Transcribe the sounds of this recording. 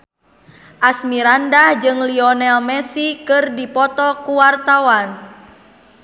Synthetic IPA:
ʔasmiɾandahd͡ʒɨŋliɔnɛlmɛsikɨrdipɔt̪ɔkuwart̪awan

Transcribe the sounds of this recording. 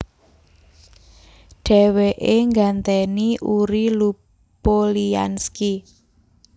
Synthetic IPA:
ɖ̥ɛ̤weʔeŋɡant̪eniʔuɾilu | polia̰nski

